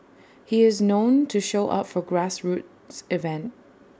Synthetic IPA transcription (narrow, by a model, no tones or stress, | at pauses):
hiɪznõʊ̃ntʰɨʃoʊʔʌ̰pfə˞ɡɹæsɹut̚ | sɪvɛ̃nt̚